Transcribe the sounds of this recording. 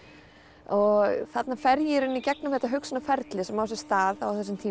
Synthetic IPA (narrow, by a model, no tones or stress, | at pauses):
ɔɣθat̪nafɛɾjɪɾʏnːicɛknʏmhɛht̪aɦʏksʏnafɛɾt̪lɪsɛmaws̬ɛst̪aːðawθɛsːɪmt̪ʰiː